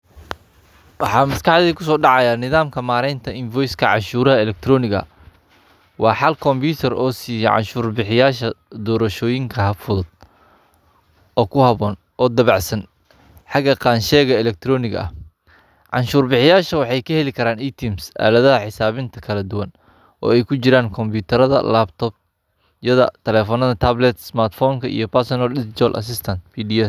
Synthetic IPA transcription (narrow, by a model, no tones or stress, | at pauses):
wɑħɑːmɐskɑħðiːkʰʊs̬ɔːɖɑʕɑjaːnɪðaːmkʰɐmaːɾɛjnt̪ʰɐɪnvɔːjskʰɐʕɑ̰nʃuːɾɐɦɐlɛk̚t̪ʰrɔːnɪɣɐ̰ | wʔɑːħɑlkʰɔmbuːt̪ʰɐrɔːsiːjɔʕɑ̰nʃuːrbɪħɪjaːʃɐd̪ɔːɾɐʃɔːjɪŋkʰɐɦɐfʊðʊd̪̥̚ | ɔːkʰʊhɐβɔːn | ɔːd̪ɐβɑʕsɐn | ħɑɡɐqɑːnʃɛːɣɐɛlɛk̚t̪ʰɾɔːnɪɣɐ̰ʔɐ̰h | ʕɑnʃuːrbɪħɪjaːʃɐwɑħɑjkʰɐhɛlɪkʰɐɾaːnajt̪ʰimsa̰ːlɐðɐɦɐħɪsaːβɪnt̪ʰɐkʰɐlɐd̪ʊwɐn | ʔɔ̰ːɛjkʰʊt͡ʃɪɾaːŋkʰɔmbuːt̪ʰɐɾɐðɐ̰laːbt̪ʰɔːb̚ | jɐðɐ̰t̪ʰɛlɛːfɔːnɐðɐt̪ʰaːblɛt̪smaːrt̪fɔːŋkʰɐʔḭjɞpɐrsɔnɐldɪst͡ʃɔlʔɐ̰s̬ɪst̪ʰɐnt̪fiːdiɛ